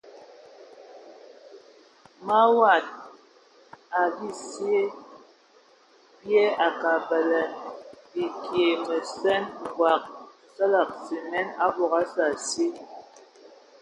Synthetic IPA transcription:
ma˦wa˨t̚ | a˨bi˦˨sje˦ | bje˦a˨ka˨bɛ˨lɛ˨ | i˨kje˨mɛ˨sɛ˦n˨ɡwa˨k̚ | sə˦la˨k̚si˨nɛ˦na˦bɔ˨ɣa˦sa˨si˦

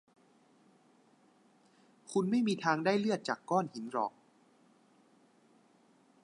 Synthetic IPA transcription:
kʰu˧nma˥˩jmiː˧t̪ʰaː˧ŋdaː˥˩jlɯ˥˩ət̪̚t͡ɕaː˨˩kːɔː˥˩nhi˩˦nɾɔː˨˩k̚

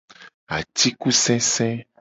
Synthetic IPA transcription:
a̰˨t̪i˦ku˦sɛ̃˦sɛ̃˦

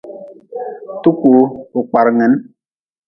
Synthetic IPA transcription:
tu˦ku˨u˨k͡pa˨ɾŋɛ˨˦n

